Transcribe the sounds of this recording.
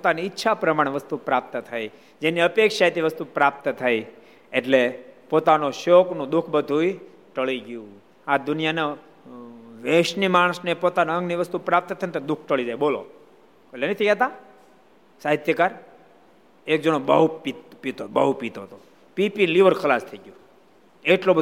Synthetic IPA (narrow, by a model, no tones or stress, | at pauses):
pot̪aniːtːʃʰapɾəmaɽ̃eʋəst̪upɾap̚t̪ət̪ʰaj | d͡ʒeniəpekʃaet̪iʋəst̪upɾap̚t̪ət̪ʰaj | eʈlepot̪anoʃoknũd̪ʊkʰbəd̪ʱui | ʈəɭiɡjũ | ad̪ʊnijane | ʋeʃnimaɽ̃snepot̪anaə̃ŋɡniʋəst̪upɾap̚t̪ət̪ʰənt̪od̪ʊk̚ʰʈəɭid͡ʒajbolo̰ | kolenət̪ʰiket̪a | saɦit̪jəkaɾ | ek̚d͡ʒənobəɦupit̪pit̪obəɦupit̪ot̪o | pipinliʋəɾkʰəlast̪ʰəiɡjũ | eʈlobə